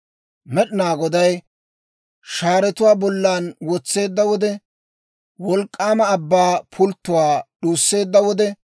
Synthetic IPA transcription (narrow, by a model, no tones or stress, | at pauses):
mɛɗɪnaːɡɔd̪ɐj | ʃaːɾɛt̪ʊwaːbɔlːaːnwɔt͡sːe̞ːd̪ːɐwɔd̪ɛ | wɔlkʼːaːmɐːbːaːpʰʊlt̪ːʊwaːɗuːsːe̞ːd̪ːɐwɔd̪ɛ